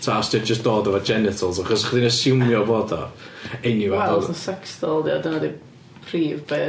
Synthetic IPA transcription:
tʰaasdiɔd͡ʒəsd̥oːdɔvɔd͡ʒɛnɪtʰəlˠsaχɔsχədinəsɪwmjɔvoːdɔ̰ejniwɛəsɛkstɔlˠdiadənadi | pʰriːvbe

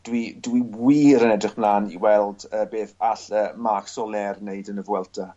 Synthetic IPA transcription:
d̥widwiwiːɾənɛdrɪχb̥laːnḭwɛlˠdəbeːθaɬəːmaksɔlɛrneɨdənəvwɛlˠtʰa

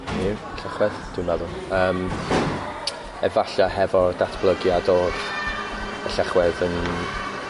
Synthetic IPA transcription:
niəɬaχwɛðd̥ɪwimaðʊ | əːm | ɛ̰vaɬahɛvɔdatʰb̥lˠəɡjadoːɬ | əɬaχwɛðən

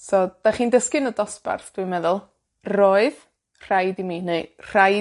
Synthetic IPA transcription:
sɔd̥aχiːndəskɪnədɔspa̰rθd̥wimɛðʊlˠ | roːɨð | r̥ajdimineɨr̥aj

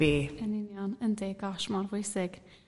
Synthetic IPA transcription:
eːənɪnjɔnəndɛɡɔʃmɔrvʊjsɪɡ̥

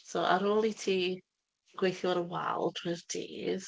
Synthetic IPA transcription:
soːʔaɾoːlˠitʰiː | ɡ̥wejθjʊɔɾəwa̰lˠtʰwɪrd̥ʰḭːð

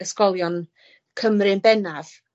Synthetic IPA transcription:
əskɔlˠjɔn | kʰəmrɨnbɛnav̥

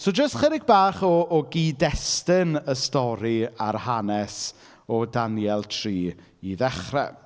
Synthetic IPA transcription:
sod͡ʒəstχəɾɪɡ̚baːχɔːɡiːdɛstɪnəstɔɾiarhanɛs | ɔdanjɛlˠtʰriː | iðɛχrɛ̰

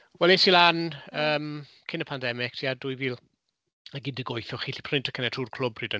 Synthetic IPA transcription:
wɛlˠesilanəːm | kʰɪnəpʰandɛmɪk̚tʰiːaduːjviːlˠ | əɡɪndəɡɔjθɔχiɬi̥pʰrɪntʰə̥kʰənɛtʰuːrkʰl̥ʊbriːdə

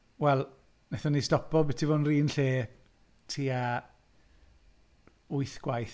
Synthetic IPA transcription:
wɛlˠ | nɛθɔnistɔpʰɔlˠbɛtʰivoːnriːnɬeː | tʰiːa | ʊɨθɡ̥wajθ

